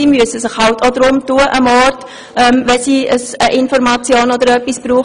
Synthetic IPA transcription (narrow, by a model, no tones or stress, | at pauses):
iːmyəsəsɪχhɑltʰod̪ɾʊmtuːəʔəmɔɾt | ʔɛmʋɛsiːəsəʔɪnfɔɾmɑt͡sjoːnɔd̪əɾœpːisb̥ɾuː